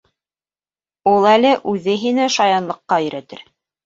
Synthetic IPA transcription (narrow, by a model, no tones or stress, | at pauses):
ulˠælɘʔʉðɘɦinæʃɑjɑnlˠɤ̆qːɑɵ̆jɾʔæt̪ɘ̰ɾ